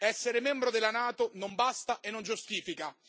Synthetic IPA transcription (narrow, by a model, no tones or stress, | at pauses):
ɛsːeɾemɛmbɾod̪elːanaːt̪onombast̪aʔenːond͡ʒust̪iːfika